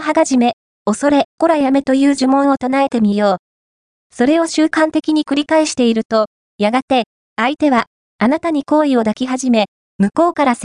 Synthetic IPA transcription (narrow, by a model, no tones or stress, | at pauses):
ɦaɡaʑime̞ | o̞so̞ɾe̞ko̞ɾajame̞t̪o̞jɯ̟ːʑɨmõ̞ɰ̃o̞t̪onae̞t̪e̞mʲijo̞ː | so̞ɾe̞o̞ɕɨːkãnt̪e̞kʲiɲ̟ikɯ̟ɾʲikaeɕi̥t̪e̞iɾɯ̟t̪o̞ | jaɡat̪e̞ | ait̪e̞βa | anat̪aɲ̟iko̞ːio̞d̪akʲiɦaʑime̞ | mɯ̟ko̞ːkaɾas